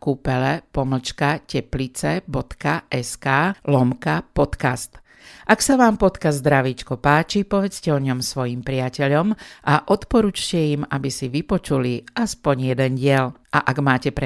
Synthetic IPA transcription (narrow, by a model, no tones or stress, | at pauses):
kupɛlɛpɔml̩t͡ʃkacɛplit͡sɛbɔt̪kaɛskaːlɔmkapɔt̪kast̪ | ʔaksaʋaːmpɔt̪kazd̪ɾaʋiːt͡ʃkɔpaːt͡ʃipɔʋɛt͡scɛɔɲɔmsʋɔjimpɾɪacɛʎɔmʔaʔɔt̪pɔɾut͡ʃcɛjimabisiʋipɔt͡ʃuliʔaspɔɲjɛd̪ɛnɟɪɛʎʔaʔaɡmaːcɛpɾɛ